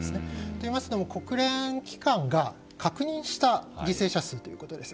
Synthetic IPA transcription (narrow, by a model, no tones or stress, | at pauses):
sɨnet̪o̞imasɨ̥d̪o̞mo̞ko̞kɯ̟ɾẽ̞kʲi̥kãŋɡa | kʰakɯ̟ɲ̟ĩɰ̃ɕi̥t̪aɡʲise̞ːɕasɨːt̪o̞jɯ̟ko̞t̪o̞d̪e̞sɨ